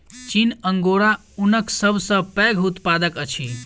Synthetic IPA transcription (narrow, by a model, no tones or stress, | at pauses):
t͡ʃinəŋɡoɾa | unəksəbʱsə̃pɛɡʱut̪pad̪əkət͡ʃʰi